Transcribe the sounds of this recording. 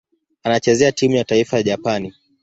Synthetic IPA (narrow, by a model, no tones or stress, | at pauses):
anat͡ʃɛzɛatimujataifajaʄapani